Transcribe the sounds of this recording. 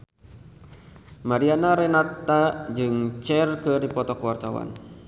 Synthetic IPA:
maɾianaɾɛnat̪ad͡ʒɨŋt͡ʃɛrkɨdipɔt̪ɔkəwart̪awa̰n

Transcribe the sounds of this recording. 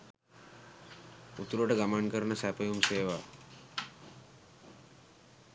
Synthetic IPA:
ut̪uɾuəʈəɡamankəɾənəsæpəjumseːʋa

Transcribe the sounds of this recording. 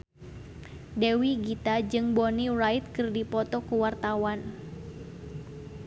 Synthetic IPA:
dewiɡit̪ad͡ʒɨŋbɔnirajt̪̚kɨrdipɔt̪ɔkuwart̪awan

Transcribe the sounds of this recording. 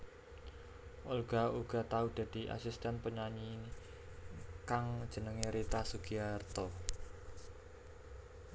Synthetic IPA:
ʔolɡ̥a̤uɡ̥a̤t̪aud̪̥a̤d̪̥i̤ʔa̰sist̪anpəɲaɲi | kaŋ̥d͡ʒ̥ə̤nəŋeɾit̪asuɡiart̪ɔ

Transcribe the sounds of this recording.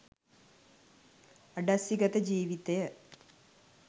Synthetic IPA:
ɐɖɐsiɡɐt̪ed͡ʑiːʋit̪ejɐ

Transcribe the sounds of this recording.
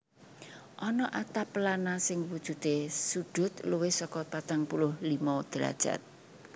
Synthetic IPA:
ʔɔnɔʔat̪apəlanasɪŋwud̥ʒ̥ṳd̪esu̥d̥ʊ̤t̪luwɪhsɔkɔp̪at̪aŋpulʊhlimɔd̪̥ɾa̰d̥ʒ̥a̰t̪̚

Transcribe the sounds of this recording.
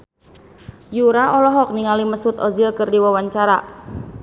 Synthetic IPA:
juɾaɔlɔɦɔk̚niŋaliməsut̪ɔzilkɨrdiwawaɲt͡ʃaɾa

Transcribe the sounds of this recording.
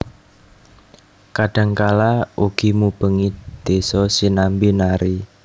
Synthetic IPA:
kaɖ̥ä̤ŋkalauɡ̥i̤mub̥ə̤ŋid̪̥esɔsinambinaɾi

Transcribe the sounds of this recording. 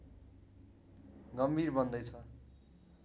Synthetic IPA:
ɡʌmbʱirbʌnd̪ʌjt͡sʰʌ

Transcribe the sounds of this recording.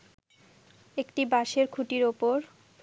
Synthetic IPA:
ekʈibaʃeɾkʰuʈiɾopoɾ

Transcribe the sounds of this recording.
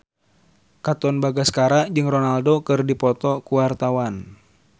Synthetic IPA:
kat̪ɔnbaɡaskaɾad͡ʒɨŋrɔnaldokɨrdipɔt̪ɔkuwart̪awan

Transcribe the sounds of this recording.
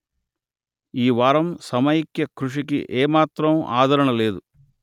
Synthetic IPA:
iːʋaːɾɐmsɐmɐjikjɐkɾuʂikḭʔeːmaːt̪ɾɐma̰ːd̪ʱɐɾɐɳɐle̞ːd̪u

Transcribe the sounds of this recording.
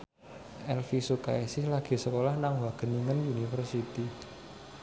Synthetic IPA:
ʔɛlfisuka̰ɛsɪhlaɡ̥i̤səkolahnaŋwaɡ̥ə̤niŋənunifərsit̪i

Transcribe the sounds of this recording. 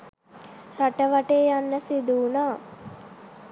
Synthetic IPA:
raʈəʋaʈeːjanːəsid̪uːnaː

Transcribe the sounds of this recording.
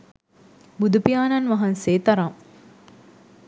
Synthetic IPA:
bud̪upijaːnɐnʋɐɦɐnseːt̪ɐɾaŋ

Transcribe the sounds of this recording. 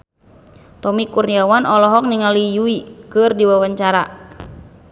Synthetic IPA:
t̪ɔmikurniawanɔlɔɦɔk̚niŋalijuikɨrdiwawaɲt͡ʃaɾa

